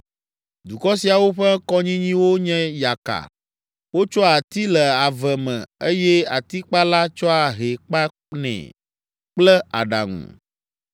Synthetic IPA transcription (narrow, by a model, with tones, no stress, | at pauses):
d̪u˨kɔ˦si˨a˨wo˦ɸɛ˦kɔ˦ɲĩ˦ɲĩ˦wo˦ɲɛ̃˦ja˨ka̰˨ | wo˦t͡ʃɔ˦a˨t̪i˦lɛ˨a˨vɛ˨mɛ̰̃˨e˦jɛ˦a˨t̪i˦k͡pa˦la˦t͡ʃɔ˦a˨ɦe˨k͡pa˦ | nɛ̰̃˨ | k͡plɛ˦a̰˨ɖa̰˨ŋṵ̃˨